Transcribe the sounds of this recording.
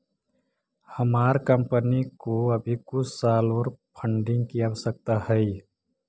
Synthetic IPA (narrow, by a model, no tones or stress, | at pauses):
həmaːɾkəmpənikoəbʱikʊsaloɾpʰəɳɖɪ̃ŋɡkiawsək̚t̪ahəj